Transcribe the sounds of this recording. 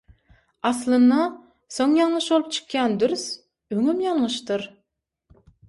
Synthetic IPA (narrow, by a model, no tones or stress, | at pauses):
ɑslˠɯnd̪ɑ | soŋjɑŋɯʃbo̞lˠup̚t͡ʃʰɯ̥qjɑnd̪yɾs | øŋymjɑɴːɯʃt̪ɯɾ